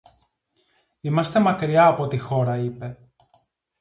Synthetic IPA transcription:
imɐst̪e̞mɐkɾiɐːpo̞t̪ixo̞ɾɐipe̞

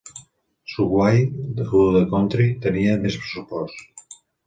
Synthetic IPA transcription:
suɣwajruuðekont̪ɾit̪əniəmespɾəsupɔst̪

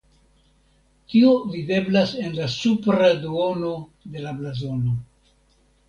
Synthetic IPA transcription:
tiovide̞blase̞nlasupɾadoono̞de̞lablazo̞no̞

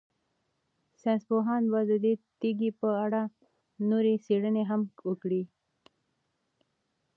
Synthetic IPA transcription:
sẽnspoɦɑnbad̪ud̪et̪iɡipəaɽa | noɾisiɽəneɦamukɽi

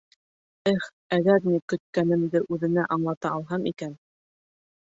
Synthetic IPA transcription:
ɘχ | æɣæɾnʲikɵ̆t̪̚kænɘ̆md̪ɘʔʉðɘ̆næʔɑɴlˠɑt̪ɑːlˠɦɑmikæn

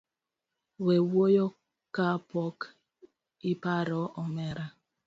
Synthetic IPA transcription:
wewojɔ | kapɔk | ipaɾɔʔɔmɛɾa

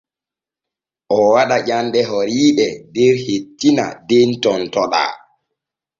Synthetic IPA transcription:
ʔɔwaɗaʄandɛɦoɾiːɗɛdɛɾhetːina̰dentɔntɔɗa̰

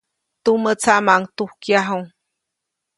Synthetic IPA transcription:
t̪umət͡sʰamaŋt̪uhkjaɦoŋ

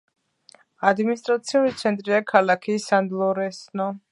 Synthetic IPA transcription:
ad̪minist̪ʼɾat̪sʰiulit̪sʰɛnt̪ʼɾiakʰalˠakʰisand̪lˠɔɾɛsnɔ

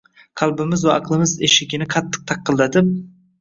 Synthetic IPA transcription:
qʰɑlˠbɪmɪzwaɑ̰qlˠɨmɪzeʃɪɡʲɪnɪqʰɑt̪ʰːɨ̥q̚t̪ʰɑqːəlˠd̪ɑd̪ɪ

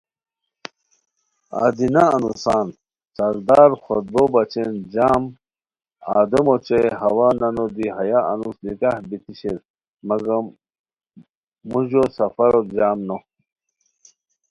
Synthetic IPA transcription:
a̰d̪inaːnusaːn | sɐɾd̪aːɾxod̪̚bobɐt͡ɕend͡ʑaːm | a̰ːd̪emot͡ɕeɦɐwaːnɐnod̪iɦɐjaɐ̰nusnikahbit̪iɕeɾ | mɐɡɐ | muʑosɐfɐɾod͡ʑaːmno

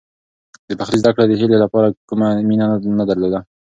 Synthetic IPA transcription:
d̪əbaxɾizd̪akɽad̪əɦelelapɑɾakumaminanad̪aɾlod̪a

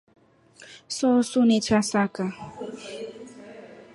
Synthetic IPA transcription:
sɔsunet͡ʃasaka

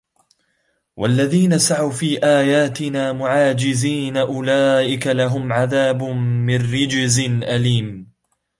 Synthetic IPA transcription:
wʔalːaðiːnasaʕawfiːʔaːjaːt̪ɪnaːmʊʕaːd͡ʒɪziːnaʔʊlaːʔɪkalaɦʊmʕaðaːbːɪnːɪd͡ʒzɪnʔaliːm

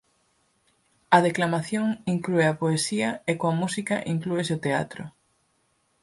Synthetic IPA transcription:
ɐðeklamaθjoŋiŋklueɐpoesiɐekoɐmusikɐʔiŋkluesot̪ea̰t̪ɾʊ̰

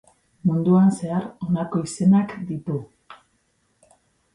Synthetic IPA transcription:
mund̪uanse̞aɾo̞nako̞ise̞nakd̪it̪u

